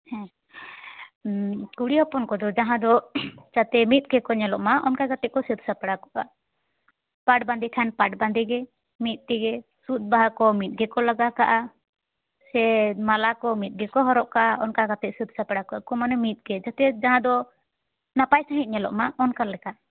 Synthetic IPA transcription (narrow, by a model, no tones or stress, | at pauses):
hɛ̃ | kuɽiɔpɔnkɔd̪ɔd͡ʒaɦãd̪ɔd͡ʒat̪ɛmit̪̚ˀɡɛkɔɲɛlɔʔmaʔɔnkajɡat̪ɛʔ̚kɔsit̪̚sapɛɽakɔʔa | paʈband̪ɛkʰanpaʈband̪ɛɡɛ | mit̪̚ˀt̪ɛɡɛ | sut̪̚ˀbaɦakɔmit̪̚ˀɡɛkɔlaɡakaʔa | sɛmalakɔmit̪̚ɡɛkɔɦɔɾɔʔkaaɔnkaɡat̪ɛʔsit̪̚sapɛɽakɔʔakɔmanɛmit̪̚ˀɡɛd͡ʒat̪ɛd͡ʒaɦãd̪ɔ | napajsaɦit̪̚ɲɛlɔ̰ʔmaʔɔnkaɾlɛka